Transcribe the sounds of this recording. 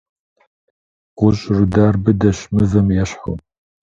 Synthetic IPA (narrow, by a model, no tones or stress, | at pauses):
qʷʊɕʼrdaːrbɨdɐɕmɨvɐmjɛɕħʊ̰